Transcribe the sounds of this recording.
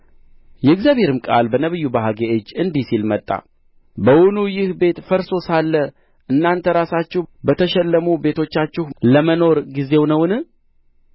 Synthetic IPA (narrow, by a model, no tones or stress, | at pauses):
jɛɨɡzjaβhe̞ɾɨmkʼa̰lbənəβɨjːubaɦaɡeʔɨd͡ʒɨnd̪isilmət̪ʼːa̰ | bəwʊnujɪhbe̞t̪fəɾso̞salːə | ʔɨnːant̪ʰəɾasat͡ʃːɪbət̪ʰəʃɛlːəmube̞t̪ʰo̞t͡ʃːat͡ʃːɪhləməno̞ɾɡize̞wnəwɨnɨ